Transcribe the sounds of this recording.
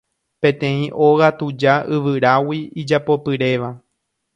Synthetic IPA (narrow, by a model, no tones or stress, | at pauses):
pẽ̞t̪ẽ̞ĩʔo̞ɣat̪ud͡ʒaʔɨʋɨɾawiid͡ʒapo̞pɨɾe̞ʋa